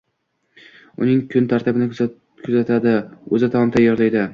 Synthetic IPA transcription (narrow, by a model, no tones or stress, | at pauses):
ʊ̰nɪŋkʰʊnt̪ʰaɾt̪ɪbɪn | kʰʊzat̪ʰad̪ɪɵzɪt̪ʰɒmt̪ʰajːɒɾlajd̪ɪ